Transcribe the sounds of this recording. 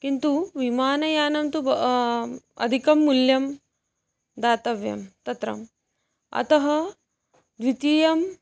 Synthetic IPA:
kint̪uʋimaːnɐjaːnɐmt̪ubɐ | ɐ̰d̪ʱikɐmːuljɐm | d̪aːt̪ɐʋjɐ̰mt̪ɐt̪ɾɐ̰m | ɐ̰t̪ɐɦɐ | d̪ʋit̪iːjɐm

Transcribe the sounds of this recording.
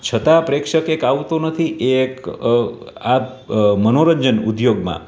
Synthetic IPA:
t͡ʃʰət̪apɾekʃəkekaʋt̪onət̪ʰiʔek | a | mənoɾəɲd͡ʒənud̪joɡmã̰

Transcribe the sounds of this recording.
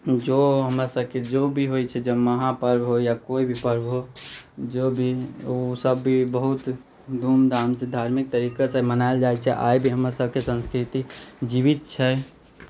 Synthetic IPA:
d͡ʒoɦəmɾasəbʱked͡ʒobʱiɦojt͡ʃʰɛd͡ʒəməɦãpəɾbɦojakoibʱipəɾbɦod͡ʒobʱiosəbːʱibəɦut̪ | d̪ʱumd̪ʱamsẽd̪ʱaɾmik̚t̪əɾikasemənaeld͡ʒajt͡ʃʰɛʔa̰jbʱiɦəmɾasəb̚ʱkesə̃nskɾit̪id͡ʒiβit̪̚t͡ʃʰɛ

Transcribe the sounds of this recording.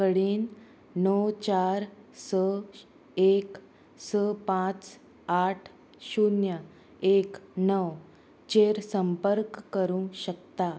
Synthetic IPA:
kəɽiːnː | əwt͡ɕaɾsə | ek | səpãt͡s | aʈʰ | ɕunjə | eknəw | t͡ɕeɾsəmpəɾkːəɾũɕəkt̪a

